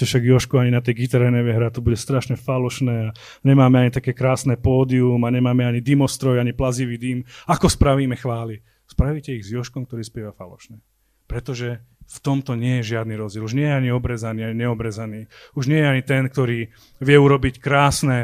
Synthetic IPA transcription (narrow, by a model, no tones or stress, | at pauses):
ɛfʃaɡjɔʃkuaɲinat̪ɛjɡit̪aɾɛnɛʋɪɛɦɾat̪ɔbuɟɛst̪ɾaʃɲɛfalɔʃnɛːa | ɲɛmaːmɛaɲit̪akɛːkɾaːsnɛpɔːd̪iumaɲɛmaːmɛaɲid̪imɔst̪ɾɔjaɲiplaziʋiːd̪iːmakɔspɾaʋiːmɛxʋaːli | spɾaʋicɛiɣzjɔʃkɔmkt̪ɔɾiːspɪɛʋafalɔ̰ʃnɛ | pɾɛt̪ɔʒɛft̪ɔmt̪ɔɲɪɛjɛʒɪad̪niɾɔzd͡ʑɛluʒɲɪɛjɛaɲiɔbɾɛzaniːaɲiɲɛɔbɾɛzaniːuʒɲɪɛjɛaɲit̪ɛnk̚t̪ɔɾiː | ʋɪɛuɾɔbickɾaːsnɛ